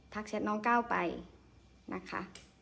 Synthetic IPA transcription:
t̪ʰa˦˥k̚sʰi˧˥t̪̚nɔː˧˥ŋkaː˥˩wpa˨j | nʔa˦˥kʰa̰˦˥ʔ

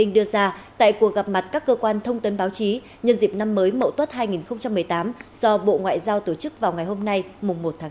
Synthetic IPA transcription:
ï˧ŋɗɨ˧əzaː˧t̪a̰ː˧˨jku˨˩ək̚ɣa˨˩p̚ma˨˩t̚kaː˦˥kːəː˧kwaː˧nt̪ʰə˧wŋ͡mt̪ə˨˦nɓaː˨˦wt͡ɕi˨˦ | ɲə˧nzi˨˩p̚na˧mːəː˨˦jmə̰˧˨wt̪wə˦˥t̚ɦaː˧jŋi˨˩nxə˧ŋ͡mt͡ɕa˧mːɨ˨˩əjt̪aː˨˦mz̥ɔ˧ɓo̰˧˨ŋwa̰ː˧˨jzaː˧wt̪o˧˩t͡ɕɨ˦˥k̚vaː˨˩wŋa˨˩jho˧mna˧jmʊ˨˩ŋ͡mmo˨˩t̚t̪ʰaː˨˦

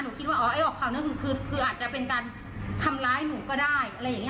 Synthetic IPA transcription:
nuː˩˦kʰi˦˥wa˥˩ʔːʔa˧˩jʔɔː˨˩k̚pʰa˨˩wnɯ˧˥ŋkʰɯ˧kʰɯː˧˥t̪̚kʰɯː˧ʔaː˨˩t̪̚t͡ɕa˨˩pe˧nkaː˧n | t̪ʰa˧mlaː˧˥jnuː˨˩˦kɔː˥˩daː˥˩jʔa˧ɾjːa˨˩ŋ˧˥˧

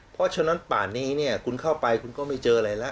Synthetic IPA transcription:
pʰɔ˦˥t͡ɕʰa˦˧˥na˦˥npa̰ː˨˩nːiː˦˥˩ni˥˩ɐkʰu˧nkʰa˥˩wpa˧jkʰu˧nkɔː˥˩ma˥˩jt͡ɕɤː˧ʔa˧ɾa˧jla˦˥ʔ

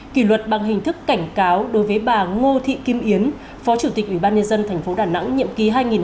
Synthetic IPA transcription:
ki˧˩lwə˨˩t̚ɓa˨˩ŋɦï˨˩ŋ̟t̪ʰɨ˦˥kːa˧˩jŋ̟kaː˨˦wɗo˨˦jvəː˨˦jɓaː˨˩ŋo˧t̪ʰḭ˧˨ki˧mʔi˨˦ən | fɔ˨˦t͡ɕu˧˩t̪i˨˩k̟ʔi˧˩ɓaː˧nɲə˧nzə˧nt̪ʰɛ˨˩jŋ̟fo˨˦ɗaː˧˩na̰˧˥ŋɲḭ˧˨əmki˨˦ɦaː˧jŋi˨˩n

